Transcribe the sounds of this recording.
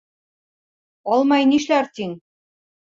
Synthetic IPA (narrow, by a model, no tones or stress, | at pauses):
ɑlˠmɑjniʃlæɾt̪ʲiŋ